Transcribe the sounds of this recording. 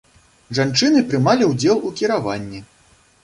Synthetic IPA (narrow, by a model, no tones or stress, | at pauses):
ʐant͡ʂɨnɨpɾɨmalʲiwd͡zʲɛlˠukʲiɾavanʲːi